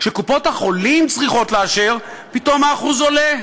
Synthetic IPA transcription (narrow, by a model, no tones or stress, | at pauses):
kʃekupo̞thaχo̞limt͡sʁiχo̞tleaʃeʁ | pito̞maːχuzo̞le